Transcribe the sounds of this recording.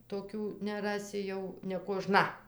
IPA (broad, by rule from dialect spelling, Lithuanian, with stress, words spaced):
toːˈkʲuː nʲɛˈrɑːsʲɪ jɛʊ nʲɛkoːˈʒnɐ